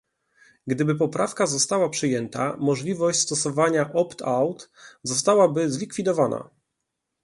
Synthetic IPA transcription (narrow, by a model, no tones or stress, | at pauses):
ɡd̪ɘbɘp̬ɔpɾʔafkazɔst̪awapʂɘjɛnt̪a̰mɔʐlʲivɔɕt͡ɕʲst̪ɔsɔvaɲaʔɔpt̪ʰawt̪zɔst̪awabɘzlʲikfʲid̪ɔvana̰